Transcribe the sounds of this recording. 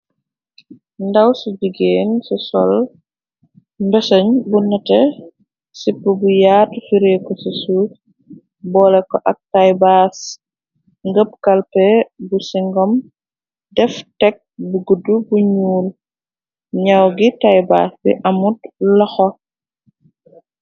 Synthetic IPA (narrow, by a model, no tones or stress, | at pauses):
ndɐwsuɟiɡeːnsɔsɔ̰l | mbɛsɐɲbunɐtɛ | sipːəbujaːtfiɾekɔsisu | bɔlɛkɔʔɐk̚tajbaːs | ŋɡəp̚kɐlpɛbusiŋɡɔm | dɛftɛk̚buɡudubuɲuːl | ɲɐwɡitajba̰ːsbiʔɐmutlɐxɔ